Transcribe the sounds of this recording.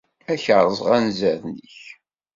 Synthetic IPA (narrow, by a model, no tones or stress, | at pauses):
æçəʕɾˤəzˤʁænzæðniçç